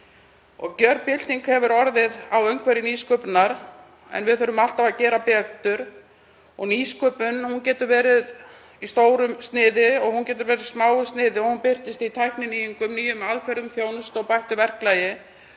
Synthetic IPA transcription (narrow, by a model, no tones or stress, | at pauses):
ɔ̰ɣcœɾpɪl̥t̪iŋkhɛvʏɾɔɾðɪðawœɥŋkʰvɛɾɪniskœpnaɾ | ɛ̰nvɪðθœɾʏmal̥t̪avacɛːɾapɛt̪ʏɾ̥ | ɔɣniːskœpʏnhuncɛːt̪ʏɾvɛːɾɪð | ist̪oːwɾʏmst̪nɪːðɪɔɣhuncɛːt̪ʏɾvɛːɾɪsmaːwʏst̪nɪːðɪɔɣhunpɪr̥t̪ɪst̪iit̪ʰajhknɪniːjiŋkʏmniːjʏmaðkʰvɛɾʏmθjoːwnʏst̪ɔɣpajht̪ʏvɛr̥klajɪ